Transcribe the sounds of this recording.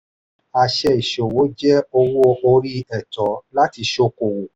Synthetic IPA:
a˨˧ʃɛ˧i˨ʃo˨wo˨˦d͡ʒɛ˦o˧wo˦o˧ɾi˦ɛ˨tɔ˨˦la˦ti˧ʃo˧˦ko˨wo˨

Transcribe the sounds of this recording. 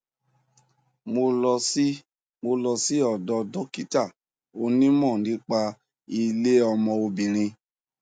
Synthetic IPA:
mo˧lɔ˧si˦ | mo˧lɔ˧si˦ɔ˨dɔ˧dɔ˦ki˦ta˦˨ | o˧nĩ˦mɔ̃˦˨nĩ˨˦k͡pa˧ | i˧le˦ɔ˧mɔ̃˧o˧bĩ˨ɾ̃ĩ˧

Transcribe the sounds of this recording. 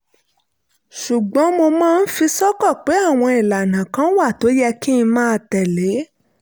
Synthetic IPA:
ʃu˨ɡ͡bɔ̃˨˦mo˧mãː˦˧n̩˦fi˧sɔ˦kɔ˦˨k͡pe˨˦a˦˨w̃ɔ̃˧i˨la˨nã˨kã˨˦wa˦˨to˨˦jɛ˧kĩ˦ĩ˧mãː˦˧tɛ˨le˨˦

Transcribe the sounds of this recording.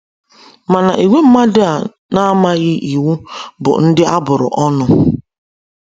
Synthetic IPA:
ma˨na˨ʔi˨ŋʷe˦m̩˦ma˦dɪ˦a˨ | na˦ma˦ɣɪ˦ʔi˨wu˦bʊ̰˨n̩˦dɪ˦a˦bʊ˨ɾʊ̰˨ʔɔ˦nʊ˨

